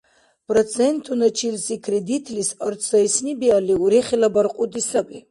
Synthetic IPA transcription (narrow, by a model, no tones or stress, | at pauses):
pʰʼrɔt̪t͡sʰɛnt̪ʰunat͡ʃʰilsikʰɾɛd̪it̪ʰʼlisaɾt̪sʰaisnibialiuɾɛχilabaɾqʼud̪isabi